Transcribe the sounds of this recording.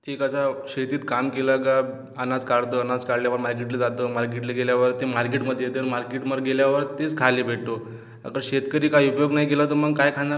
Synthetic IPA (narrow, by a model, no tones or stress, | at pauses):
ʈʰiːkasaɕet̪iːt̪kamkelaɡa | ənad͡zkaɽt̪əənad͡zkaɽljaʋəɾmaɾk̬eʈled͡zat̪əːmaɾk̬eʈleɡeljaʋəɾt̪emaɾk̬eʈməd̪ʱːjet̪ənmaɾkeʈməɾɡeljaʋəɾt̪et͡skʰalebʱeɽt̪o | ə̰kəɾɕet̪kəɾiːkajiupjoɡnaikelat̪əməɡkajkʰaa